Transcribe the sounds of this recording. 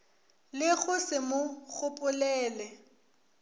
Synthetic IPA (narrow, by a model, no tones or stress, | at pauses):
lɪɣʊsɪmʊɣʊpʼʊlɛːlɛ